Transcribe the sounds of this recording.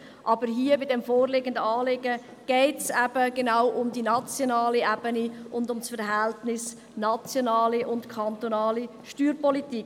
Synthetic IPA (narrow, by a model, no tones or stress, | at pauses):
ʔɑbəɾɦiːəbɪdɛmfoːɾleɡəndəɑːleːɡə | ɡ̥ɛɪtsɛb̥əɡ̥enaʊʔʊmdinɑt͡sjonɑːliɛbəniʊndʊmsfəɾɦɛltnɪs | nɑt͡sjonɑːliʔʊntkʰɑnt̪onɑːli | ʃtyːɾpɔlitik